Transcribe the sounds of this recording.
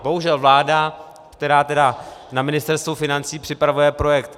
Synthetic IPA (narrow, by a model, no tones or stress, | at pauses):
bo̞ɦuʒɛlvlaːda | kt̪ɛɾaːt̪ɛdanamɪnɪst̪ɛɾst̪vufɪnant͡siːpr̥ɪpɾavujɛpɾo̞jɛkt̪